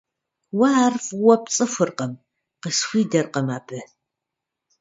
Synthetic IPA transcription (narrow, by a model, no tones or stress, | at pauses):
wɐaːrfwɐp̚t͡sʼɨfʷɨrqəm | qəsxʷiːdɐrqəmaːbʰɨ